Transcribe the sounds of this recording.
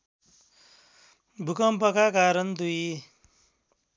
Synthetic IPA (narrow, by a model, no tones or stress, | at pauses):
bʱukʌmpʌkakaɾʌnd̪uj